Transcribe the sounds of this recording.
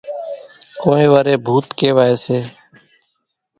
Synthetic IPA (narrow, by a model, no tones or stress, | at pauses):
koːẽːʋaːɾeːbʱuːt̪keːʋaːeːseː